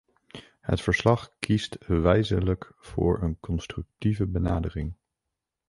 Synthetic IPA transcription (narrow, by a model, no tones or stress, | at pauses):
hə̰tfəɹslɑχkʰistʋɛjzələk | fʊ̰ːɹənkɔnstrʏk̚tivəbənaːdərɪŋ